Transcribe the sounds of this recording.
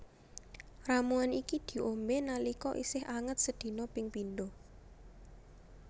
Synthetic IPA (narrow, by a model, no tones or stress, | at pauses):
ramuanikid̪̥i̤ʔomenalikɔʔḭsɪhʔaŋət̪̚səd̪̥i̤nɔpɪŋpind̪o